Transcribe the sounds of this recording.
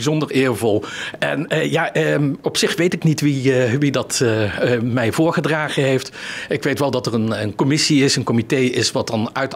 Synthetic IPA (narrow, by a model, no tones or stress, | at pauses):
izɔndəɹɪːɹvɔlˠɛ̰nːjaːʔəɔpsɪχʋejtɪknitʋiʋidɑt | mɛjvʊːɹχədraːχəɦejftɪkʋejtʋɛlˠdɑtərənənkɔmɪsiɪsənkɔmitejɪsʋɑt̚dɑnœɥt